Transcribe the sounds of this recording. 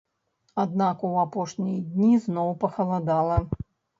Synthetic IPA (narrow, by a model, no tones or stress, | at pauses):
ad̪nakuwapɔʂnʲijd̪ʲnʲiznɔwpɐxɐlˠad̪alˠɐ